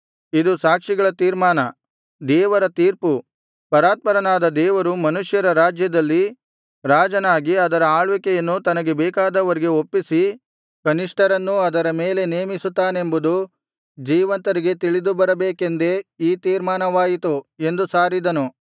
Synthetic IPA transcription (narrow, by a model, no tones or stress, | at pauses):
id̪usaːkʂiɡɐɭɐt̪iːɾmaːnɐ | d̪ɛːʋɐɾɐt̪iːɾpu | pɐɾaːt̪̚pɐɾɐnaːd̪ɐd̪ɛːʋɐɾumɐnuʂjɐɾɐɾaːd͡ʒjɐd̪ɐlːi | ɾaːd͡ʒɐnaːɡiɐd̪ɐɾɐaːɭʋikɛjɐnːut̪ɐnɐɡe̞bɛːkaːd̪ɐʋɐɾiɡe̞opːisi | kɐniʂʈɐɾɐnːuɐd̪ɐɾɐmeːle̞neːmisut̪ːaːnembud̪u | d͡ʒiːʋɐnt̪ɐɾiɡe̞t̪iɭid̪ubɐɾɐbeːke̞nd̪e̞iːt̪iːɾmaːnɐʋaːjit̪ue̞nd̪usaːɾid̪ɐnu